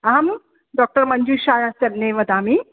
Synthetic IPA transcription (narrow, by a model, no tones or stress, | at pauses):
aɦɐm | ɖɔːk̚ʈəɾməɲd͡ʒuːʃaːjasebneʋɐd̪aːmi